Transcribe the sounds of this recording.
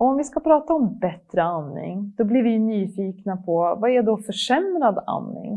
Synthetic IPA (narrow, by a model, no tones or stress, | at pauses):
ɔɔmvɪskapʰɾɑːt̪aɔmbɛt̪ɾəanːɪ̰ŋd̪̥ɔblɪɾvɪjnyːfiːknapʰɔvaæɖɔfœʂɛmɾad̪a̰nːɪ̰ŋ